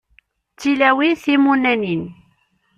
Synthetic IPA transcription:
t͡sːilæwiθimunænin

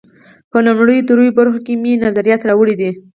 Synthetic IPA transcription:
pənamɽəjod̪əɾujobaɾxakeminazaɾijɑt̪ɾawəɽid̪i

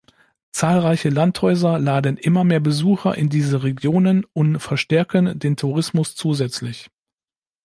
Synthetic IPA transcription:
t͡saːlʁaɪçəlanthɔʏzɐlaːdənʔɪmɐmeːɐbəzuːxɐʔɪ̰ndiːzəʁeɡjoːnənʊntfɛɐʃtɛɐkəndeːntʰuʁɪsmʊst͡suːzɛt͡slɪç

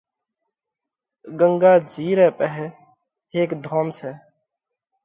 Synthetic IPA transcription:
ɡəŋɡaːd͡ʒiːɾɛːpəɦɛ | ɦeːkd̪ʱoːmsɛː

